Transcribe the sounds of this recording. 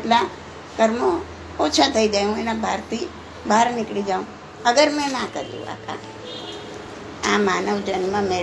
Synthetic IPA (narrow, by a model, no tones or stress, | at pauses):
ʈla | kəɾmo | ot͡ʃʰat̪ʰəiɡəjɦũenãbʱaɾt̪i | bʱaɾnɪkɽid͡ʒaũ | əɡəɾmɛ̃nãkə̰ɾjṵ̃a̰ka̰ | amaːnəʋd͡ʒənmãme